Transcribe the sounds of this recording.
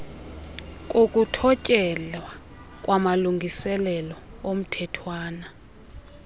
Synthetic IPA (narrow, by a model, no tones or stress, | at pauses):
kʼokʼutʰɔcʼɛlwa | kʼwamaluŋɡʱisɛlɛlɔom̩tʰɛtʰwaːna